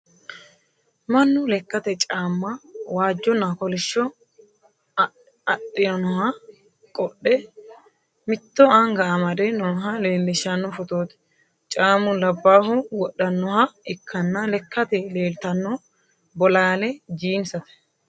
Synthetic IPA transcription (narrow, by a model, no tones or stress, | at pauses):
mɐnːʊlɛkːɐt̪ɛt͡ʃʼaːmːɐwaːd͡ʒːɔnːɐkɔlɪʃːɔ | ɐɗːɪnɔnɔhɐ | kʼɔɗːɛ | mɪt̪ːɔɐŋɡɐːmɐd̪ɛnɔːɦɐleːlːɪʃɐnːɔfɔt̪oːt̪ɛ̥ | t͡ʃʼaːmʊlɐbːaːhʊwɔɗːɐnːɔhɐɪkʰːɐnːɐlɛkːɐt̪ɛle̞ːlt̪ɐnːɔ | bɔlaːlɛd͡ʒiːnsɐt̪ɛ̥